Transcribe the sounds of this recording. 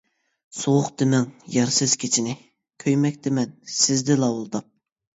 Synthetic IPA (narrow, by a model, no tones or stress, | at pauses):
soʁʊqt̪ɪmɛŋjɑɾsɨz̥kʲʰet͡ʃʰinɪ | kʲʰøjmɛkʲt̪ɪmɛnsɪzd̪ɪlˠɑwolˠd̪ɑp̚